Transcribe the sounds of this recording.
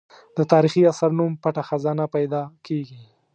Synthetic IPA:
d̪ət̪ɑɾixiasaɾnumpaʈaxazɑnapajd̪ɑkeɡi

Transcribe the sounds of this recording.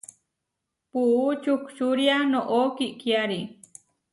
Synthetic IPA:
puʔt͡ʃukt͡ʃuɾjanoʔokiʔkjaɾi

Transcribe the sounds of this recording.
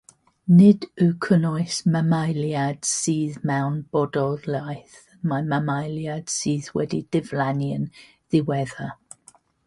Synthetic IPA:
nɪdəkʰənɔɨsmamajljad̥siːðmɛwnb̥ɔdɔlajθ | mamamajljad̥siːðwɛ̰did̥ɪvlanjən | ðɪwɛða

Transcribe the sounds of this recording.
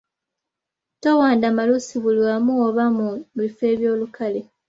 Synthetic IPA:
towaːndamalusiβulwamuoβamuβife̞ːβjo̞ːlukale

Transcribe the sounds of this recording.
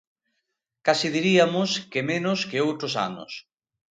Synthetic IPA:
kasiðiɾiamʊskemenʊskeowt̪ɾosa̰nʊ̰s

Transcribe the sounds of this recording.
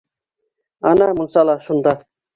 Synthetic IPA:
ɑnɑmʊnsɑlˠɑʃund̪ɑ

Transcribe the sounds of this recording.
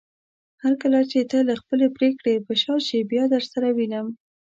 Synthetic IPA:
haɾkəlat͡ʃet̪əlaxpəlepɾekɽepəʃɑʃebjɑd̪əɾsaɾawinəm

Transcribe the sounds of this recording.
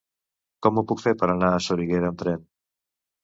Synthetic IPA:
kɔmopukfeɾpaɾanaːsoɾiɣeɾant̪ɾen

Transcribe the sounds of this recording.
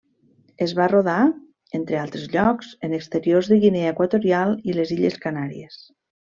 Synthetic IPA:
əzβaroða | ent̪ɾealˠt̪ɾezʎɔkzənəkst̪əɾiorzðəɣineaekwat̪oɾialˠileziʎeskanaɾḭes

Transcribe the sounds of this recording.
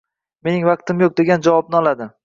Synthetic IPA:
me̞nɪŋvaq̚t̪ɪmjok̚d̪e̞ɡʲand͡ʒavɒb̚nɪɒlˠad̪ɪ

